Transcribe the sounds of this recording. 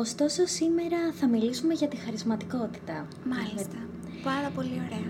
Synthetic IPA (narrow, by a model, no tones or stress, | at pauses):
o̞st̪o̞so̞sime̞ɾɐθɐmilisume̞ʝɐt̪ixɐɾizmɐt̪iko̞t̪i̥t̪ɐ | mɐlisɐ | pɐnd̪ɐpo̞lio̞ɾeɐ